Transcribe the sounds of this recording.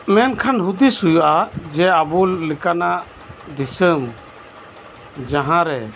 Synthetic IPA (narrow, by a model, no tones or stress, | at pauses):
mɛnkʰanɦud̪isujuʔad͡ʒɛabulikanaʔ | d̪isəm | d͡ʒaɦãɾɛ